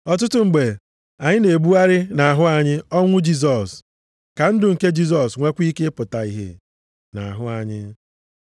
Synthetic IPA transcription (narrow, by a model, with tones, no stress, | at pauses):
ɔ˨t̬ʊ˦tʊ˦ŋ͡m̩˨ɡ͡be˨ | a˨ɲɪ˦ne˨ɡ͡bu˦a˦ɾɪ˦na˨a˨ɦʊ˦a˨ɲɪ˦ɔ˦ŋʷʊ˦d͡ʒi˦s̬ɔ˨s | ka˨n̩˦dʊ˨ŋ̩˨ke˦d͡ʒi˦s̬ɔ˨sŋʷe˦kʷi˦ke˦pʊ˨ta˨i˨ɦḛ˨ | na˨a˨ɦʊ˦a˨ɲɪ̰˦